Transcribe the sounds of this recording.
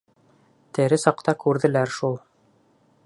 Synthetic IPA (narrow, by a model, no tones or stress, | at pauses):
t̪ɘ̆ɾɘsɑqt̪ɑkʉɾðɘ̆læɾʃulˠ